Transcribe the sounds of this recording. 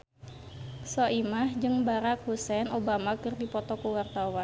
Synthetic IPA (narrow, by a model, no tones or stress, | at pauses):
sɔʔimahd͡ʒɨŋbaɾak̚husɛnobamakɨrdipɔt̪ɔkuwart̪awan